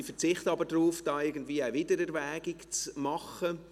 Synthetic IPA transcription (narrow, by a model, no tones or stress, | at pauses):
ifəʁt͡sɪχtɑbəɾdɾuːfd̥ɑːɪɡən̩dviːaɪvɪdəɾɛɾvɛːɡɪkt͡smɑχə